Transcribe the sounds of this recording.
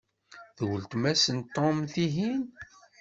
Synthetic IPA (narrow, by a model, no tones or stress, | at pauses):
ðwəlt̪mæsənt̪ːomθiɦin